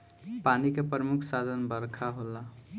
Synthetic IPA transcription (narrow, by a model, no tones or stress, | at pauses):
panikepɾəmukʰsad̪ʱənbəɾkʰaɦola